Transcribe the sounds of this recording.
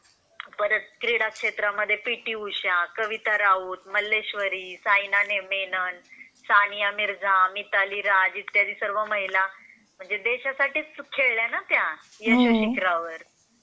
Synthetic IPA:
pəɾət̪̚kɾiɽakʂet̪ɾaməd̪ʱːjepiʈiːuɕakəʋit̪aɾauːt̪məlːeɕʋəɾiːsajnanemenən | sanijamiɾd͡zãmit̪aliɾad͡ʑit̪jad̪iːsəɾʋəməɦila | m̤əɳd͡zed̪eɕasaʈiːt͡skʰeɭljanat̪ja | jaɕoɕikɾaʋəɾ

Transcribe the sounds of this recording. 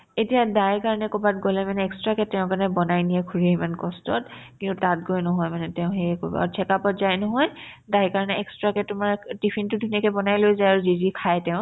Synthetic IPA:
etijadajkaɹɔnɛkɔbatɡɔlɛmanɛɛkstɹakɛtːɛʊ̃kaɹnɛbɔnajnijɛkʰuɹejmankɔstɔ̰t̚kintʊtat̚ɡojnɔɦɔjmanɛtɛʊ̃xejɛko̰bɔ̰a̰ɹtʰɛkapɔtzajnɔɦɔj | dajkaɹnɛɛkstɹakɛtʊmaɹtipʰintʊdʱunɛkɛbɔnajlojzajaɹuzidikʰajtɛʊ̃

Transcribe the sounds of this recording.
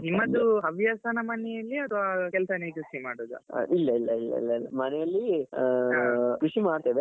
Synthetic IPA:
nimːɐd̪uɐʋjaːsɐnɐmɐnːɛjɐlːiɐt̪ʰʋakɛlsɐnekɾusimaːɽoːd̪ṵilːɐilːɐ̰ilːɐ̰ḭlːɐilːɐmɐnɛjɐlːi | kɾuʂimaːɖt̪eːʋe

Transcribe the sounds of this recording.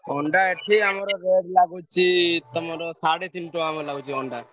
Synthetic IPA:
ɔɳɖaeʈʰikamɔɾɔɾeɖlaɡut͡ʃʰit̪ɔmɔɾɔsaɽet̪inʈɔ̃amɔɾlaɡut͡ʃʰiɔɳɖa

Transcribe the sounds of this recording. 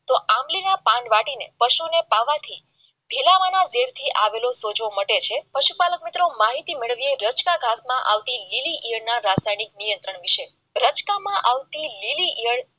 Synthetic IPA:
t̪oʔamlinapãɳɖʋaʈinḛpəʃonepaʋat̪ʰi | bʱilaʋanad͡ʒeɾt̪ʰiʔaʋelosod͡ʒʋoməʈet͡ʃʰepəʃupalək̚mit̪ɾomaɦit̪imeɭəʋieɾət͡ʃkaɡʱasmãʔa̰ʋt̪ililiʔijəɽnaɾasajnik̚nijənt̪ɾəɳʋiʃe | ɾət͡ʃkamãʔaʋt̪ililiʔijəɽ

